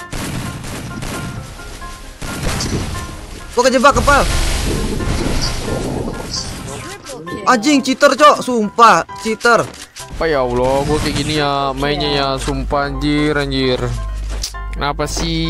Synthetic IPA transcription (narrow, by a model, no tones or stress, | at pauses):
ɡuakad͡ʒabakəpal | ad͡ʒiŋt͡ʃit̪ərt͡ʃɔsumpat͡ʃit̪ər | pajaulɔɡuakɛɡinijamaɛɲajasumpaɲd͡ʒiɾaɲd͡ʒir | napasi